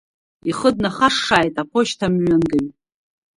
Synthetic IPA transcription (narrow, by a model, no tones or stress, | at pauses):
iχəd̚naχaʂːaːjtʼaqʷʰʊʃtʰamɥanɡɨj